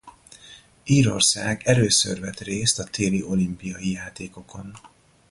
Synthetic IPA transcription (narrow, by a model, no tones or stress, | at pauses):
iːɾo̞̰rsaːɡɛløːsø̰rvɛt̪reːst̪ɒt̪eːliʔo̞limpijɒjijaːt̪eːko̞kʰo̞n